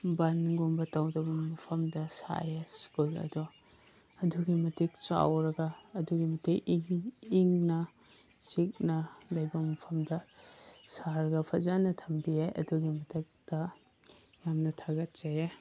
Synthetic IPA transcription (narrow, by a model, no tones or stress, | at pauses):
banɡombɐtawdɐbɐmɐpʰɐmdɐsa̰jaskulɐ̰dɔ | ɐduɡimɐtik̚t͡ʃa̰wɾɐɡɐːduɡimɐtʰikŋiŋnɐ | t͡ʃik̚nɐlɐjbɐmɐpʰɐmdɐ | saɾɐɡɐpʰɐzanɐtʰɐmbiajɐ̰duɡimɐtʰɐk̚d̥ɐ | jamnɐtʰaɡɐt̚t͡ʃaje